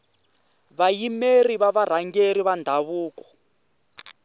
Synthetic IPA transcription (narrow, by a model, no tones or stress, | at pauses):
βajimeriβaβar̤aŋɡeɾiβandʱaβuːkɔ̥